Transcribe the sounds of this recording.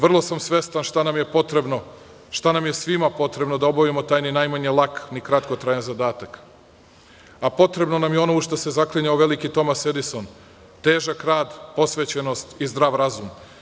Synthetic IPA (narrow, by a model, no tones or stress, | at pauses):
ʋr̩lˠo̞samsʋe̞st̪anʃt̪anamje̞pot̪ɾebno | ʃt̪anamje̞sʋimapo̞t̪ɾe̞bno̞d̪ao̞baʋimo̞t̪aːjninajmaɲelˠaknikɾat̪kot̪ɾaːjenzad̪aːt̪ak | apo̞t̪ɾe̞bno̞namjeo̞nouʃt̪ase̞zakliɲaoʋe̞likit̪o̞mased̪iso̞n | t̪e̞ːʒakɾaːd̪po̞sʋet͡ɕenost̪izd̪ɾaːʋɾazum